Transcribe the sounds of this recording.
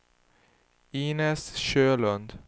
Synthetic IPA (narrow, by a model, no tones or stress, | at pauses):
iːnɛsʃøːlɵnd̪